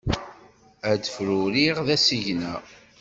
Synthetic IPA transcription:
æd̪əfɾuɾiʁðæsiʝnæ

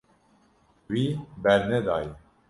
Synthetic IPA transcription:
wiːbɛɾnɛd̪ɑːji

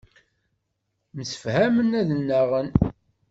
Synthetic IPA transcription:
məsə̥fhæmənæðənːæʁən

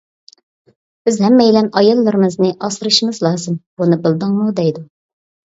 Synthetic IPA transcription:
bɪzhɛmːɛjilɛnɑjɑlˠːɨɾɨmɨznɨʔɑsɨɾɨʃiŋɨzlˠɑːzɨmbunɨbɨlˠd̪ɨŋmud̪ɛjd̪u

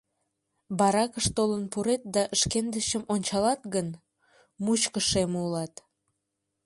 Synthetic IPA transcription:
bɑɾɑkəʃt̪olənpuɾet̪̚d̪ɑʔəʃkend̪əʃəmonʲt͡ɕɑlɑt̪ɡən | mut͡ɕkəʃemulɑt̪

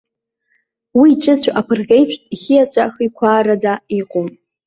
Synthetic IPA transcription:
wiːʈ͡ʂʼɨt͡sʷʰʔapʰɨrɣʲejʃʷᶣtʼiχʲijat͡ɕʷʼaχikʷʰaːɾad͡zaiqʷʼʊm

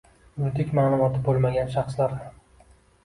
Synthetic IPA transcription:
ʊd̪ɪkʲmaːlˠʊmɒt̪ʰɪbolˠmaɡʲanʃɑχslaɾ

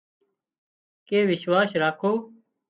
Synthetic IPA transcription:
keːʋɪʃwaːʃɾaːkʰoː

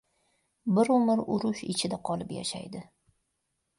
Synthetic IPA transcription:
bɪɾʊmɪɾʊɾʊʃɪ̰t͡ʃʰɪd̪aqʰɒlˠɪpja̰ʃa̰jd̪ɪ

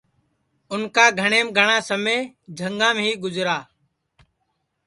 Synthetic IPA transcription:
ʊnkaːɡʱəɳeːmɡʱəɳãːsəmẽːd͡ʒʱəŋɡãːmɦiːɡʊzɾaː

